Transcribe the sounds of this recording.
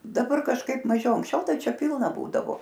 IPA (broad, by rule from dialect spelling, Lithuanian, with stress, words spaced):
dɐˈbɐr kɐʃˈkɐɪp mɐˈʒʲɛʊ ɐŋksʲˈt͡ʃʲɛʊ ˈtɐɪ ˈt͡ʃʲɛ ˈpʲɪlˠnɐ ˈbuːdɐʋoː